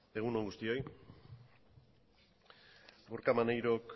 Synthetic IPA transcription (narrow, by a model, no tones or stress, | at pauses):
e̞ɣuno̞ŋɡust̪io̞j | uɾkamanajɾo̞k